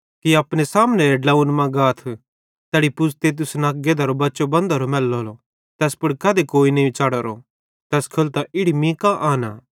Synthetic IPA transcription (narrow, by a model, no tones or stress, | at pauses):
kiaːpɽ̃esaːmnẽɖlaunmɐ̃ɡaːt̪ʰ | t̪ɛːɽipʊst̪et̪̬ʊsnaːɡed̪ɐɾobɐːʃobɐ̃nd̪aɾomɛːlːoɦlo | t̪ɛːspʊɽkaːd̪ekoːinɐĩt͡ʃaːɽaɾo | t̪ɛːskʰɐlt̪aʔɪɽimĩːkaʔaːna̰ː